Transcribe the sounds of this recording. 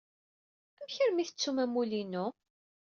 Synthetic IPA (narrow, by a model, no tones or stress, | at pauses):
æmçəɾmiθət͡sːumæmulinu